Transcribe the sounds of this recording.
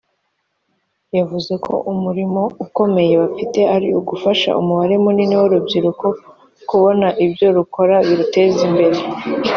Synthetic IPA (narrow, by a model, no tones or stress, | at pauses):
javuze̞kʰo̞̰ʔumuɾimo̞uko̞me̞je̞βafite̞aɾiuɡufaʃa̰ʔṵmuβaɾe̞muniniwoɾubɟiɾuko̞ | kuβo̞naʔibjo̞ɾuko̞ɾaβiɾute̞zimbe̞ɾe̞